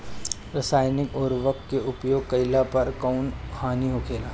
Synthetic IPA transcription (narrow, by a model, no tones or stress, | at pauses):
ɾɐsaːjnɪkɔːɾʋəkt̪keʊpjoːɡ̚kɐɪlapɐɾkaʊnhaːniɦokʰeːlaː